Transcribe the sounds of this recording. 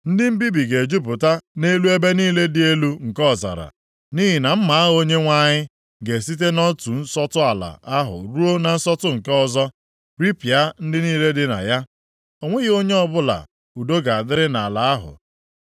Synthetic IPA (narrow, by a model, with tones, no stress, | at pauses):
n̩˦dɪ˦m̩˦bi˦bi˨ɡe˨d͡ʒu˦p̬ʊ˨ta˦ne˦lu˦e˦be˦niː˦le˦dɪ˦e˦lu˦ŋ̩˨kɔ˦˨za̰˨ɾa̰˨ | ni˦ɦi˨na˨m̩˦ma˨a˦ɦo˦ɲe˦ŋʷa˦ɲɪ˦ | ɡe˨si˦t̬e˦nɔ˦tu˨n̩˦sɔ˦tʊ˦a˨la̰˨a˦ɦʊ̰˨ɾu˦o˦na˨n̩˦sɔ˦tʊ˦ŋ̩˨ke˦ɔ˦zɔ˦ | ɾi˦pi˨a˦n̩˦dɪ˦niː˦le˦dɪ˦na̰˨ja˦ | o˨ŋʷe˦ɣɪ˦o˦ɲe˦ɔ˦bʊ˦la̰˨ | u˨do˦ɡa˨a˨dɪ˦ɾɪ˦na˨la˨a˦ɦʊ̰˨